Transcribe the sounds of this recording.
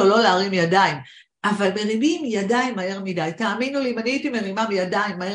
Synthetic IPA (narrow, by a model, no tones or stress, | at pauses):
olo̞laːʁimjadaim | ʔavalme̞ʁibimjadaimːae̞ʁmidajtaːminulimaniitime̞ʁimamjadaimːae